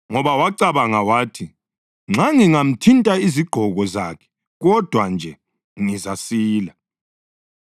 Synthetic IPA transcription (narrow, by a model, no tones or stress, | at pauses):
ŋɔβawaǀaβaŋawaːtʰi | ŋ͡ǁaŋiŋam̩tʰintʼaiziɡ͡ǃ̥ʱɔɣɔzaːkʰɛ̥ | ɣɔd̥ʱwand͡ʒʱɛ | ŋizasiːla